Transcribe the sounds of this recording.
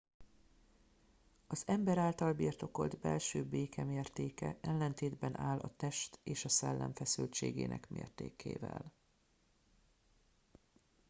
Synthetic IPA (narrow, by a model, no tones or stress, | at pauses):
ɒzɛmbɛɾaːlt̪ɒlbirt̪o̞ko̞ld̪bɛlʃøːbeːkʰɛmeːrt̪eːkɛʔɛlːɛnt̪eːd̪bɛnʔaːlɒt̪ɛʃt̪eːʃɒsɛlːɛɱfɛsylt͡ʃeːɡḛːnʔɛ̰kmḛːrt̪ḛːkʰḛːvɛ̰l